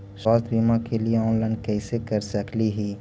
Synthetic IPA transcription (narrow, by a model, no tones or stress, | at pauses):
swaːst̪ʰbiːmãkelieɔ̃ːnlaːɪnkɛːsekɐɾsɐkliɦiː